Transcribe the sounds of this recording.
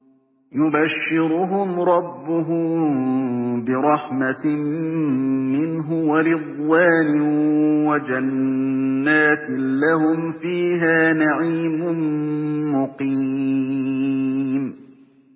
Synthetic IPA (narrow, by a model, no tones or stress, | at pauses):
jʊbaʃːɪɾʊɦʊmɾˤɑbːʊɦʊ | bɪɾˤɑħma | mɪnɦʊwaɾɪd̪ˤwaːnɪwad͡ʒanː | aːt̪ɪːahʊmfiːɦaːnaʕiːmʊnmʊqi | m